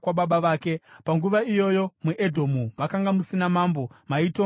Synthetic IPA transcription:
waɓaɓaʋaːke̞paŋɡuʋaijo̞jo̞muʔedʱo̞muʋakaŋɡamusinamambo̞maito

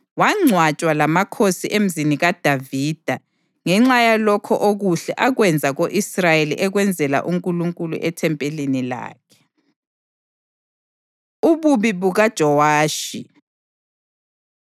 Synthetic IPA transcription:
waŋ͡ǀʱwat͡ʃʼwalamakʰosiʔem̩ziniɣad̥ʱaviːd̥ʱa | ŋɛŋ͡ǁajalɔkʰɔʔoɣuɬɛʔaɣwɛnd͡zʱaɣoʔisrajelḭʔɛɣwɛnd͡zʱɛla̰ʔuŋkʼuluŋkʼulṵʔɛtʰɛmpʼelinila̰ːkʰɛ̥ | uβuβiβuɣad̥ʒ̥ʱɔwaːʃi

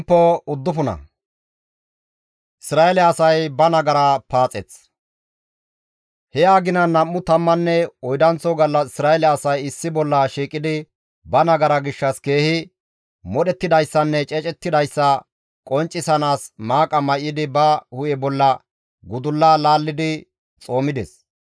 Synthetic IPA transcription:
pːɔʊd̪ːʊfʊnɐ̰ | ʔɪsɾaːɛlɛɐsɐjbɐnɐɡɐɾapaːt͡sʼɛt͡s | hɛjaːɡɪnɐnːɐmːʊt̪ɐmːɐnːɛɔjd̪ɐnt͡sɔɡɐlːɐsɪsɾaːɛlɛɐsɐjɪsːɪbɔlːɐʃiːkʼɪd̪ɪ | bɐnɐɡɐɾɐɡɪʃːɐske̞ːhɪ | mɔɗɛt̪ːɪd̪ɐjsːɐnːɛt͡ʃʼɛt͡ʃʼɛt̪ːɪd̪ɐjsːɐ | kʼɔnt͡ʃʼːɪsɐnaːsmaːkʼɐmɐjːɪd̪ɪbɐhʊjɛbɔlːɐ | ɡʊd̪ʊlːaːlaːlːɪd̪ɪ | t͡sʼo̞ːmɪd̪ɛs

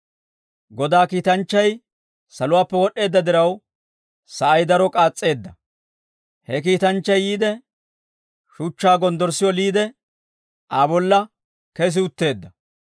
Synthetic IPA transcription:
ɡɔd̪aːkiːt̪ɐnt͡ʃːɐj | sɐlʊwaːpːɛwɔɗe̞ːd̪ːɐd̪ɪɾɐw | sɐʔɐjd̪ɐɾɔkʼaːt͡sʼːe̞ːd̪ːɐ | hɛk̬iːt̪ɐnt͡ʃːɐjːiːd̪ɛ | ʃʊt͡ʃːaːɡɔnd̪ɔɾsɪjɔliːd̪ɛ | ʔaːbɔlːɐ | kɛs̬ɪʊt̪ːe̞ːd̪ːɐ

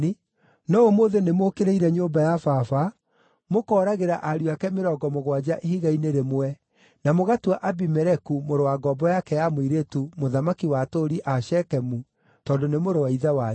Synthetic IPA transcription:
i | nɔomoðenemoːkeɾeiɾɛɲoːmbajafafa | mokɔːɾaɣeɾaʔaɾuakɛmeɾɔɡɔmoɣwad͡ʑaʔeɦiɣaineɾemoɛ | namoɣatwaʔabimɛɾɛkumoɾowaɡɔbɔjakɛjamoiɾetumoðamakiwatoɾiʔaʃɛkɛmu | tɔːndonemoɾowaiðawa

